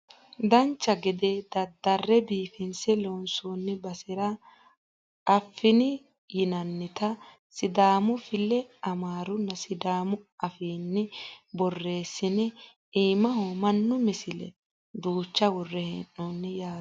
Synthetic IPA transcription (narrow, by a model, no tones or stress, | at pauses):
d̪ɐnt͡ʃːɐɡɛd̪ed̪ɐd̪ːɐrːɛbiːfɪnsɛlonsoːnːɪbɐsɪɾɐ | fːɪnɪ | jɪnɐnːɪt̪ɐ | sɪd̪aːmʊfɪlːɛɐmaːɾʊnːɐsɪd̪aːmʊɐfiːnːɪbɔrːe̞ːsːɪnɛ | iːmɐɦoːmɐnːʊmɛsɪlɛ̰ | d̪uːt͡ʃːɐwɔrːɛhɛ̰nːonːɛjaː